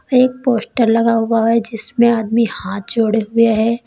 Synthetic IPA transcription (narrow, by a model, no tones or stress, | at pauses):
eːk̚poːsʈəɾlɐɡaɦʊaɦɛd͡ʒɪsmẽaːd̪mihaːt̪̚ʰd͡ʒoːɽeɦʊeɦɛː